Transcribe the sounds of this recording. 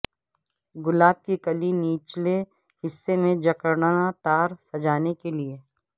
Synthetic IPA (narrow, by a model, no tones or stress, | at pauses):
ɡʊlaːb̚kikɐliniːt͡ʃle | hɪsːemẽd͡ʒɐkəɾɳaat̪aːɾsɐd͡ʒaːnekelie